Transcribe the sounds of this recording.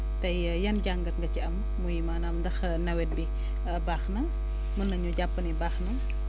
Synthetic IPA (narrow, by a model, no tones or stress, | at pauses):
tɐj | jɐnɟaŋɡɐtŋɡɐt͡ʃiɐmːujimaːnɐmdɐx | nɐwɛt̚bi | baːxnɐ | mɐnːɐɲuɟapːɐnibaːxnɐ